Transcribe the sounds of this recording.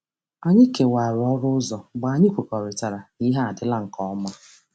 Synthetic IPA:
a˨ɲɪ˦ke˨wa˨ɾɔ˦ɾʊ˦ʊ˦zɔ˨ɡ͡ba˨ɲɪ˦kʷe˨kɔ˨ɾɪ˨ta˨ɾa˨ni˦ɦa˦a˨dɪ˦la˦ŋ̩˨kɔ˦ɔ˦ma˦

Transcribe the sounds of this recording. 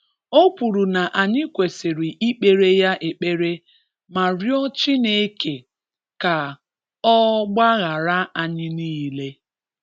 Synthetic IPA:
o˦pu˨ɾu˨na˨ʔa˨ɲɪ˦kʷe˨se˨ɾi˨ʔi˦k͡pe˨ɾe˦ja˦ʔe˨k͡pe˦ɾe˦ | ma˨ɾjɔ˦t͡ʃɪ˦ne˨˦ke˨ | ka˨ | ɔ˦ɡ͡ba˦ɣa˨ɾa˦a˨ɲɪ˦niː˦le˦

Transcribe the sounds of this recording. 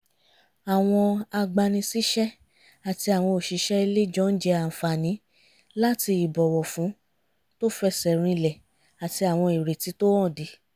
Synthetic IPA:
a˨w̃ɔ̃˧a˧ɡ͡ba˧nĩ˧si˦ʃɛ˦ | a˨ti˧a˨w̃ɔ̃˧o˨ʃi˨˧˦ʃɛ˦i˧le˦d͡ʒɔ̃˦n̩˦d͡ʒɛ˧a˨fa˨nĩ˨˦ | la˦ti˧i˨bɔ˨wɔ˨fũ˨˦ | to˦fɛ˧sɛ˨ɾ̃ĩ˧lɛ˨ | a˨ti˧a˨w̃ɔ̃˧i˨ɾe˨ti˨˦to˦wɔ̃˦˨di˨˦

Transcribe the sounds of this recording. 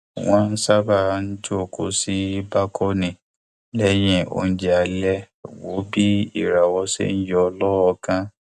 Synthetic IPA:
w̃ɔ̃˦n̩˦sa˦ba˦˨n̩˦d͡ʒo˦˨ko˨˦si˦ba˦kʰɔ˦nĩ˨ | lɛ˦j̃ɛ̃˧˨o̰˧˨n̩˦d͡ʒɛ˦a˧lɛ˦˨ | wo˨˦bi˦i˦˨ɾa˨wɔ˧˦sḛ˦n̩˦jɔ˧ɔ˧lɔ˦ɔ˧kã˦

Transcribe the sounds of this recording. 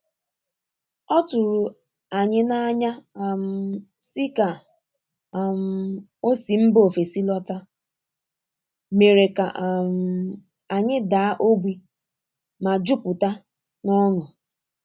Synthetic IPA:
ɔ˦tʊ˨ɾʊ˨ | a˨ɲɪ˦na˦ɲa˦˨m̩˦˨sɪ˦ka˨ | m̩˨ | o˦si˨m̩˦bo˦˨fe˨si˦lɔ˦ta˦ | me˨ɾe˨ka̰˨ʔm̩˦ | a˨ɲɪ˦da˨a˦ʔo˦ɡʷi˦ | ma˨d͡ʒʊ˦pʊ˨ta˦ | nɔ˦nʊ˨

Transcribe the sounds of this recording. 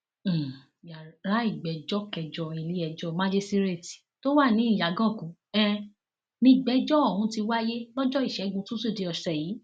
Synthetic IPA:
ja˨ɾa˨˦i˦˨ɡ͡bɛ˨d͡ʒɔ˦kɛ˧d͡ʒɔ˧i˧li˨˦ɛ˧d͡ʒɔ˦mã˦d͡ʒe˦si˦ɾe˦˨ti̥˨to˦wa˦˨nĩ˨˦ĩ˦˨ja˨ɡã˦˨kũ˨˦ɛ˧ | nĩ˧˨ɡ͡bɛ˨˦d͡ʒɔ˦ɔ˦˨hũ˧˦ti˧wa˦je˦lɔ˦d͡ʒɔ˦i˨ʃɛ˨˦ɡũ˧˦tũ˦su˦˨de˨˦ɔ˧ʃɛ˨jiː˨˦

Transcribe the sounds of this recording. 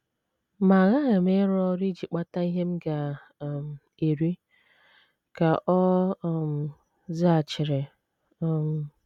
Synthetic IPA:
ma˨ɣa˦˨ɣɪ˨m˦e˦ɾɔ˦ɾi˦d͡ʒi˨k͡pa˦ta˦i˦ɦe˦m̩˦ɡa˨ | m̩˨ | e˨ɾi˦ | ka˨ʔɔ˦˨m̩˨ | za˦a˨t͡ʃɪ˨ɾe˨˦˨ | m˨

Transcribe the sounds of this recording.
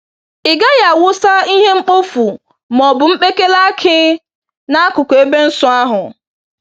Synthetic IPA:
ɪ˨ɡa˦ja˨wʊ˦sa˦i˦ɦe˦ŋ͡m̩˦k͡po˦fu˨ | mɔ˨bʊ˨ŋ͡m̩˦k͡pe˦ke˦la˦kʰɪ˦ | na˦a˦kʊ˨ko˨e˦be˦n̩˦sʊ˦a˦ɦʊ˨

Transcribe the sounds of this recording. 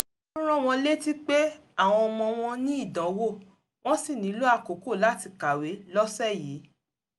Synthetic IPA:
ɾ̃ɔ̃˦w̃ɔ̃˧le˦ti˦k͡pe˦a˦˨w̃ɔ̃˧ɔ˧mɔ̃˧w̃ɔ̃˧nĩ˦i˦˨dã˨˦wo˦˨ | w̃ɔ̃˦si˦˨nĩ˨˦lo˦a˦˧ko˨˦ko˦˨la˦ti˧ka˨we˨˦lɔ˦sɛ˦˨jiː˨˦

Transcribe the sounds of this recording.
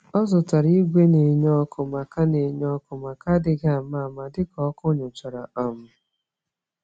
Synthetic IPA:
ɔ˦zʊ˨ta˨ɾi˦ɡʷe˦ne˨ɲɔ˦kʊ˨ma˨ka˦ne˨ɲɔ˦kʊ˨ma˨ka˦dɪ˨ɡa˨ma˦˨ma˨dɪ˦kɔ˦kʊ˦ɲʊ˨t͡ʃa˨ɾa˨ɔ˨m̩˨˦

